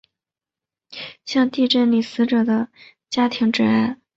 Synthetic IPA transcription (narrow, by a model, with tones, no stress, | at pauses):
ɕjɑ˥˧ŋt̪i˥˧ʈ͡ʂə˥˩nli˨˩sɹ̩˧˥ʈ͡ʂɤ˨˩d̪ə˦ | t͡ɕja˥t̪ʰi˧˥ŋʈ͡ʂɻ̩˥˩a˥˩ɪ